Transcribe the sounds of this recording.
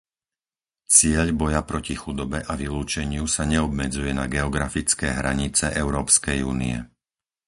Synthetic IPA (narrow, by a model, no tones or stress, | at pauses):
t͡sɪɛʎbɔjapɾɔcixud̪ɔbɛʔaʋiluːt͡ʃɛɲɪusaɲɛɔbmɛd͡zujɛnaɡɛɔɡɾafit͡skɛːɦɾaɲit͡sɛʔɛʊɾɔːpskɛjuːnḭɛ̰